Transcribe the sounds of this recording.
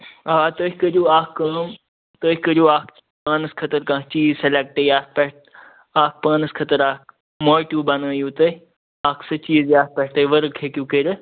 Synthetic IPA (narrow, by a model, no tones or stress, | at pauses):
aːt̪oːkəd͡ʒuːaːkːaːm | t̪oːkəɾuːaːkʰ | paːnəskʰɐt̪əɾkãːt͡ʃiːzselek̚ʈejaːk̚pɛʈ̚ | aːk̚paːnəskʰɐt̪əɾaːk̚ | moːjʈuːbɐnəːjuːt̪ɐ | aːkʰsɐt͡ʃiːzjaːpɛʈt̪əʋəɾkʰeːkjuːkeɾ